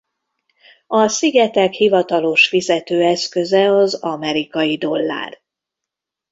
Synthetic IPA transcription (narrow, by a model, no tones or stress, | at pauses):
ɒsiɡɛt̪ɛkhivɒt̪ɒlo̞ʃfizɛt̪øːɛskø̞zɛɒzɒmɛɾikɒjid̪o̞lːa̰ːr